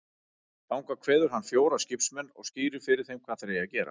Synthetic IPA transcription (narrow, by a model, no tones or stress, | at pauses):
lawŋkakʰvɛːðʏɾ̥ɦanːfjoːwɾascɪpsmɛnːɔ̰ɣsciːɾʏɾ̥fɪɾɪɾ̥θejmkʰvaːθeɾejacɛːɾa̰